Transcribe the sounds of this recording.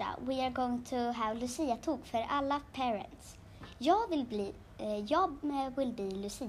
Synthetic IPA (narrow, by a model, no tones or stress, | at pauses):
a̰wɪaɾɡoːɪŋt̪ʰʊɦævlɵsiːat̪ʰuːɡfœɾʔalːapʰɛːɾɛ̰nt̪s | jɑːɡvɪlbli | jɑːɡvɪlbliːlɵsiː